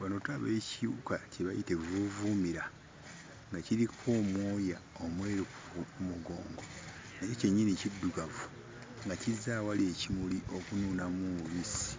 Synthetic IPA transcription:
βanotaβe̞ːcijukaceβajite̞vuvuːmiɾa | ŋɡaciɾikʰo̞ːmwo̞ːjao̞mwe̞ːɾu | umuɡo̞ːŋɡo̞ | najoce̞ɲːinicidːuɡavu | ŋɡacizaːwalie̞cimuliʔo̞kunuːnamumuβisi̥

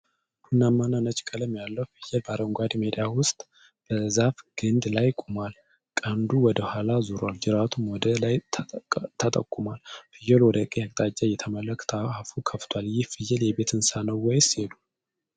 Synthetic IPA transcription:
hunːamːananət͡ʃʼkʼələmjalːəhfɨjːɛlbaɾəŋɡʷad̪med̪awʊst̪ʼ | b̥əzafɡ̥ɨnd̪lajkʼumal | kʼand̪uwɔd̪əhʷalazuɾald͡ʒɨɾat̪ʰumwɔd̪əlaj | t̪ʰət̪ʼə̰kʼːumalfɨjɛlwɔd̪əkʼeakʼt̪ʼad͡ʒʼːajɛt̪ʰəmələkʼʰːt̪ʰəafukʰəft̪ʰwaljɪhfɨjːɛljɛbe̞t̪ʰɨnsanəwːɔjselu

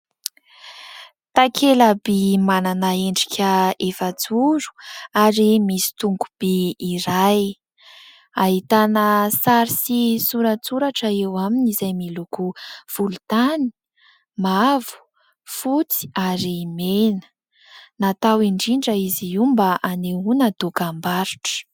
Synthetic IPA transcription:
t̪akʰeləbimananaeɳɖ͡ʐikʲʰəefət͡suɾu̥aɾimisi̥t̪uŋɡub̥iːɾaj | aɦit̪anəsaɾisisuɾət͡suɾaʈ͡ʂəewaminizajmilukuv̥ulut̪ani̥ | mavu̥ | fut͡si̥aɾimenə̥ | nat̪awiɳɖ͡ʐiɳɖ͡ʐəiziumbaʔaneunəd̪okambaɾuʈ͡ʂə̥

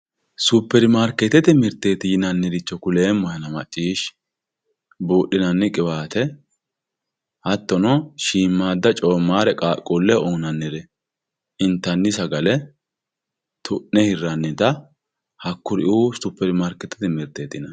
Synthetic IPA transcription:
sʊpːɛɾɪmaːɾkɛt̪ːɛt̪ɪmɪɾt̪ːeːt̪ɪjɪnɐnːɛd̪ɪt͡ʃːɔkʊle̞ːmːɔjɐnɐmɐt͡ʃʼːiːʃ | boːʔːɪnɐnːɪkʼɪwaːt̪ɛ | hɐt̪ːɔnɔʃiːmːaːd̪ːɐt͡ʃʼoːmːaːɾɛkʼaːkʼolːɛʔoːnɐnːɪɾɛ | ɪnt̪ːɐnːɪsɐɡɐlɛ | t̪ʰʊʔnːɛhɪrːɐnːɪt̪ɐ | hɐkːʊɾɪʔuːsʊpːɛɾɪmaːɾkːɛt̪ːɛ̥t̪ɪmɪɾt̪ːeːt̪ɪnɐ

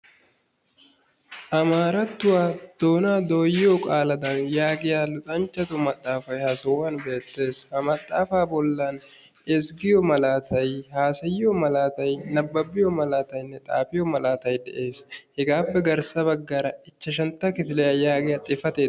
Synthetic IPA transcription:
ʔɐmaːɾɐt̪ːʊwaːd̪̥o̞ːnaːd̪o̞ːjɪjokʼaːlɐd̪ɐnjaːɡɪjaːlʊt̪ʼɐnt͡ʃːɐt̪ʊmɐt̪ʼːaːfɐjhɐsɔwɐnbe̞ːt̪ːe̞ːshɐmɐt̪ʼːaːfaːbɔlːan | ɛsɡɪjɔmɐlaːt̪ʰɐjhaːsɐjɪɔmɐlaːt̪ɐjnɐbːɐbːɪjɔmɐlaːt̪ɐjnːɛt̪ʼa̰ːpɪjɔmɐlaːt̪ɐjd̪ɛ̰ʔe̞ːshɛɡaːpːɛɡɐɾsɐbɐɡːɐɾɐɪt͡ʃːɐʃ̬ɐnt̪ːɐkɪfɪlɛjajaːɡɪjat̪ʼɪfɐt̪eːd̪

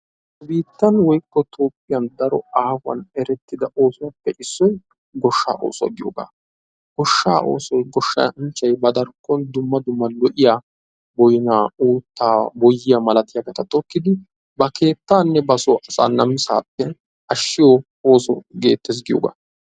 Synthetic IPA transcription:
biːt̪ːɐnwɔjkːɔt̪ʰo̞ːpʼːɪjɐnd̪ɐɾɔaːfɐ̰nɛɾɛt̪ːɪd̪ɐʔo̞ːsɔwɐpːɛʔɪsːɔj | ɡɔʃːa̰ːʔo̰ːsɔɐ̰ɡɪjoːɡa̰ː | ɡ̥ɔʃːa̰ːʔo̞̰ːsɔjɡɔʃːɐ̰ɪnt͡ʃːɐjbɐd̪ɐɾkʼːɔnd̪ʊmːɐd̪ʊmːɐlɔʔɪja | bɔjɪnaːuːt̪ːaːbɔjːɪjɐmɐlɐt̪ɪjɐɡɐt̪ɐt̪ʼɔkːɪd̪ɪ | bɐke̞ːt̪ːaːnːɛbɐsɔʔɐsa̰ːnɐmɪsa̰ːpːɛ | ɐʃːɪjo | oːsɔ̰ɡe̞̰ːt̪ːes̬ɡɪjo̰ːɡa̰ː

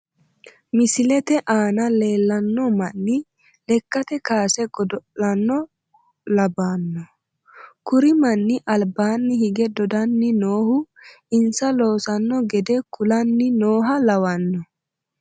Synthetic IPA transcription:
mɪsɪlɛt̪ɛʔaːnɐle̞ːlːɐnːɔmɐnːɪ | lɛkːɐt̪ɛkaːsɛɡɔd̪ɔlɐnːɔ | lɐbaːnːɔ | kʊɾɪmɐnːɪʔɐlbaːnːɪhɪɡɛd̪ɔd̪ɐnːɪno̞ːhʊ | ɪnsɐlo̞ːsɐnːɔɡɛd̪ɛkʊlɐnːɪno̞ːɦɐlɐwɐnːɔ

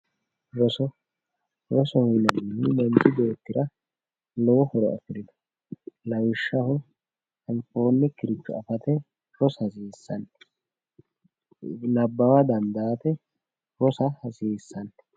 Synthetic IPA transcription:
ɾɔsɔ | ɾɔsɔhʊjnɐnːɪmɛnt͡ʃɪd̪eːt̪ːɪɾɐ | lɔwɔhɔɾɔʔɐ̰fɪɾɪd̪ɐ̥ | lɐwɪʃːɐhɔ | ɐmfo̞ːnːɛkɪɾɪt͡ʃːʊɐfɐt̪ɛ | ɾɔshɐsiːsːɐn | nɐbːɐwɐd̪ɐnd̪aːt̪ɛ | ɾɔsɐhɐsiːsːɐn

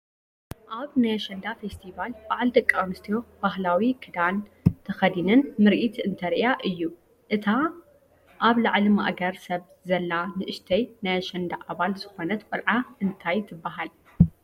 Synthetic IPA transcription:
ʔaβnajɐʃɐnd̪afest̪ʰivalbaʕld̪ɐkʼːamɨst̪ʰijo̞b̥aɦlawikʰɨd̪ant̪ʰɐxɐd̪inɨnmɨɾʔit̪ʰɨnt̪ʰɐɾiʔjaʔɨjːu | ʔɨt̪ʰa | ʔaβlaʕlimaʔɡɐɾsɐβ | zɐlːanɨʔɨʃt̪ʰɐjnajaʃɐnd̪aʔaβalzɨxo̞nɐt̪kʼɨlʕaɨnt̪ʰajt̪ʰɨbːaɦal

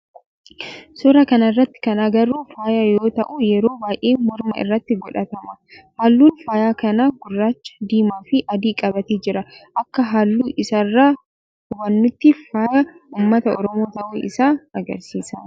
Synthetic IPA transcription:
sʊɾɐkɐnɐɪrːɐt̪ːɪ̥kɐnaːɡɐɾuːfaːjajo̞ːt̪ɐʔuːjɛɾo̞ːbaːjʔeːmɔɾmɐ̰ɪ̰rːɐt̪ːɪɡɔᶑɐt̪ɐmɐhaːlːuːnfaːjaːkɐnaːɡʊrːaːt͡ʃːɐ̥d̪iːmaːfɪʔɐd̪iːkʼɐbɐt̪eːd͡ʒɪɾɐʔɐkːɐɦaːlːuːʔɪsɐrːaː | hʊbɐnːʊt̪ːɪfaːjɐuːmːɐt̪ɐɔ̰ɾɔmo̞ːt̪ɐʔuʔɪ̰saːɐɡɐɾsiːsɐ

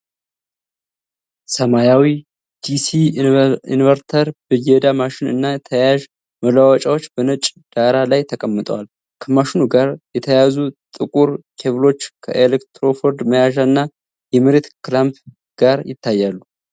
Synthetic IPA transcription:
səmajawi | d̪isiinvəɾt̪ʰəɾbɨjɛd̪amaʃɪnɨ̰nːajɛt̪ʰəjaʒ | məlawɔt͡ʃʼawo̞t͡ʃːbənət͡ʃʼd̪̥aɾalajt̪ʰəkʼəmːɨt̪ʼə̰wal | kʰəmaʃɪnuɡaɾjɛt̪ʰəjazut̪ʼɨkʼuɾkʰevɨlo̞t͡ʃːkʰə̰ʔelekt̪ɾo̞foɾd̪məjaʒaɨnːa | jɛmɨɾet̪klamp | ɡ̥aɾjɪ̰t̪ʰːajːalːu

